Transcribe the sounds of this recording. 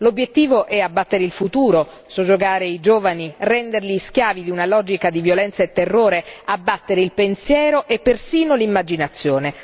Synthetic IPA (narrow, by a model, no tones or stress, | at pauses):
lobːjet̪ːiːvoʔɛabːat̪ːeɾeilfut̪uːɾo | sod͡ʒːoɡaːɾeid͡ʒoːvanirɛnd̪erlisk̟jaːvid̪iunalɔːd͡ʒikad̪ivjolɛnt̪saet̪ːerːoːɾeabːat̪ːeɾeilpensjɛːɾoʔepːersiːnolimːad͡ʒinat̪sːjoːne